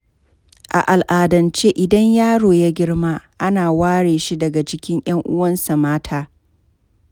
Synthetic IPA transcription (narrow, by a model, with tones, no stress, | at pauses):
ʔa̰˨ʔa˨lʔaː˨dɐ˨nt͡ʃeː˦ʔɪ˨dɐ˦ɲjaː˦ɽoː˨ja˦ɡʲɪ˦ɽmaː˦ʔa˦naː˨waː˦ɽeː˨ʃi˦dɐ˨ɡa˨t͡ʃɪ˦kʲɪ˦ŋj̰ɐ˦ŋʔʊ˦wɐ˦nsa˨maː˦tʰaː˦